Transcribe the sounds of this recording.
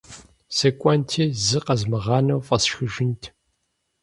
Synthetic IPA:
sekʷʼɔntʰizɨqɐzmɨʁɑːnɐwfʼɐsʃxɨʒɪntʰ

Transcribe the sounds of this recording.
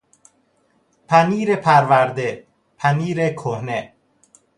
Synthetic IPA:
pʰæniːɾepʰæɾvæɾd̪e | pʰæniːɾekʰohne

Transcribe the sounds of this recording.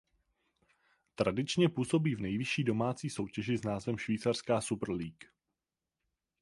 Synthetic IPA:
t̪ɾadɪt͡ʃɲɛpuːso̞biːvnɛjvɪʃiːdo̞maːt͡siːso̞wcɛʒɪznaːzvɛmʃviːt͡sar̥skaːsupr̩liːk

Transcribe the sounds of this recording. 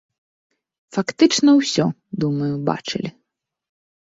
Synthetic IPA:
fakt̪ɨt͡ʂnɐwsʲɔ | d̪umɐjuba̰t͡ʂɨ̰lʲi

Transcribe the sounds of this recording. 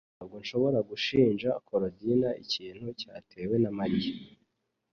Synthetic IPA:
aɡonʃo̞βo̞ɾaɡuʃiːnd͡ʒakʰoɾodinaiciːn̥hucaːtʰe̞ːwe̞namaɾiji

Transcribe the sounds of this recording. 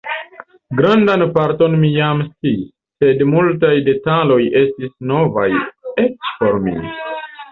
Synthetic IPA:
ɡɾandanpaɾto̞nmijamstiː | e̞dmultajde̞talo̞jʔe̞stisno̞vaje̞t͡ʃpo̞ɾmḭ

